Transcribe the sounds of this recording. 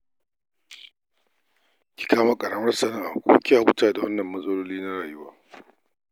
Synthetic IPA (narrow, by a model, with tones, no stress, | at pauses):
kʲi̥˨kaː˦ma˦kʼɐ˨ɽɐ˦mɐ˦rsɐ˨nɐ˦ŋʔa̰˨kʷo̰ː˦kʲɪ˦jaː˨wʊ˦taː˨da˨wɐ˦nːɐ˨mːɐ˦sʼɐ˦loː˦liː˦na˦ɽaː˨jʊ˦waː˦